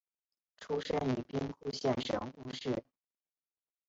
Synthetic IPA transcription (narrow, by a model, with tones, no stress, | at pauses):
ʈ͡ʂʰu˥ʂə˥ny˨˩pi˥ŋkʰu˥˧ɕjɛ˥˩nʂɤ̰˨˩ŋxu˥˧ʂɻ̩˥˩